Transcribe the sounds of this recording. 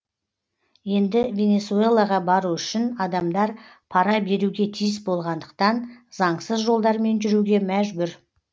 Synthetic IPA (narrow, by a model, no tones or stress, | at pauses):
je̞nd̪ɪvʲe̞ne̞sue̞lˠaʁɑbɑɾuʏʃɪnɑd̪ɑmd̪ɑɾ | pʰɑɾɑbe̞ɾuɡʲe̞t̪ʰijɪsbo̞lˠʁɑnd̪əq̚t̪ɑnzɑɴsəzʒo̞lˠd̪ɑɾme̞nʒʏɾuɡʲe̞mæʒbʏɾ